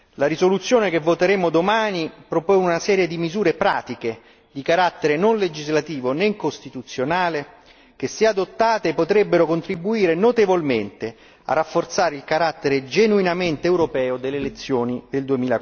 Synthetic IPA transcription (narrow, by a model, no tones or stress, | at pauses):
laɾizolut̪sːjoːnekevːot̪eɾeːmod̪omaːnipɾoponunasɛːɾjed̪imizuːɾepɾaːt̪ike | d̪ikaɾat̪ːeɾenonled͡ʒizlat̪iːvoneŋkost̪it̪ut̪sːjonaːle | k̟esːiaːd̪ot̪ːaːt̪epot̪ɾebːeɾokont̪ɾibuiːɾenot̪evolment̪e | a̰rːafːort̪saːɾeilkaɾat̪ːeɾed͡ʒenuinament̪eːwɾopɛːod̪elːelet̪sːjoːnid̪eld̪uemiːla